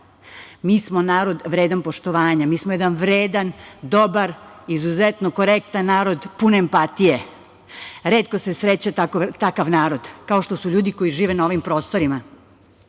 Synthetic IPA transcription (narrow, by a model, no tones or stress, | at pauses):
miːsmo̞naːɾo̞d̪ʋɾeːd̪anpo̞ʃt̪oʋaːɲamiːsmojed̪anʋɾeːd̪and̪o̞baɾizuzet̪noko̞ɾek̚t̪anːaːɾo̞d̪puneːmpat̪ije̞ | ɾeːt̪ko̞se̞sɾet͡ɕat̪akot̪akaʋnaːɾo̞d̪kao̞ʃt̪o̞suʎuːd̪iko̞jiʒiːʋenao̞ʋimpɾo̞ːst̪o̞ɾima